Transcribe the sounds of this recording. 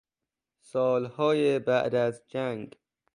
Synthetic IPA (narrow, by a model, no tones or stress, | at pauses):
sɒːlhɒːjebæʔd̪æzd͡ʒæŋɡ